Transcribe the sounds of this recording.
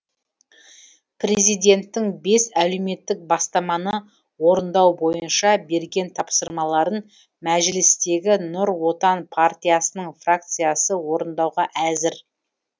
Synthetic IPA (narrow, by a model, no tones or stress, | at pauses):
prʲee̞zijd̪ʲe̞nt̪ːɪŋbe̞sæle̞wme̞t̪ːɪk̚bɑst̪ɑmɑnə | wo̞ɾənd̪ɑwbo̞jənʃɑbe̞ɾɡʲe̞nt̪ʰɑpsəɾmɑlˠɑɾən | mæʒɪlɪst̪e̞ɡʲɪnʊɾwo̞t̪ɑnpʰart̪ʲijasənəɴfrakt̪sɨjasəwo̞ɾənd̪ɑwʁɑʔæzɪɾ